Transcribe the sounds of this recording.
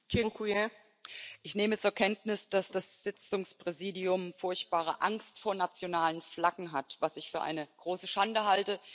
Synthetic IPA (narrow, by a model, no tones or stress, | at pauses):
keŋkuɛ | ʔɪçneːmət͡suːɐkʰɛntnɪsd̥asd̥asz̥ɪt͡sʊŋspʁ̥ɛziːdiʊmfʊɐçt̚b̥aːʁ̞əʔaŋstfoːɐnat͡sjonaːlənflaɡŋ̩ɦatv̥asɪçfyːɐʔa̰ɪnəɡ̥ʁoːsəʃandəɦaltə